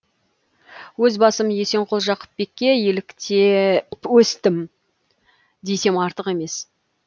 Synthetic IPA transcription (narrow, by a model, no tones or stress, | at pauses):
wɵzbɑsəmje̞se̞ɴqʰolˠʒɑqə̥p̚be̞kʲːe̞jelɪkt̪ʰewɵst̪ɪm | d̪e̞jse̞mɑɾt̪əqe̞me̞s